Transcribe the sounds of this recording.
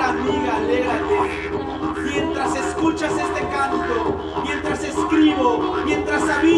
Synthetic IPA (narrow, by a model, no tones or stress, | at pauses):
amiɣaleɣɾat̪e | mjent̪ɾaseskut͡ʃasest̪ekant̪o | mje̞nt̪ɾaseskɾiβomjent̪ɾasaβi